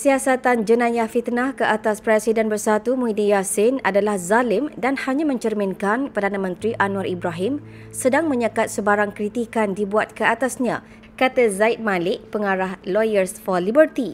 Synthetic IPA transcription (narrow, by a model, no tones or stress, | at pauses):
siasat̪and͡ʒənãjahfit̪nãhkəʔat̪aspɾɛsidɛnbərsat̪umuidijasɪnadalahzalɪmdanhaɲãmə̃ɲt͡ʃərmɪ̃nkanpərdanãmə̃nt̪ɾiʔanũaɾʔibɾaɦɪm | sədaŋmə̃ɲakat̪̚səbaɾaŋkɾit̪ikandibuat̪̚kəat̪asɲã̰ | kat̪azaɪt̪̚mãlɪʔ̚pəŋaɾahlojərsfɔlibərt̪i